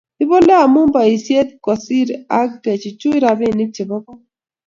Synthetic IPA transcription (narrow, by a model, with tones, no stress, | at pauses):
ɪ˦bo˦le˦a˨mʊ˦mba˨i˨sje˦t̪̚kɔ˨si˦ɾa˦ɡɛ˨t͡ʃi˨t͡ʃu˦i˦ɾa˨bɪ˦˨nɪ˦t͡ʃe˨bɔ˦kɔ˦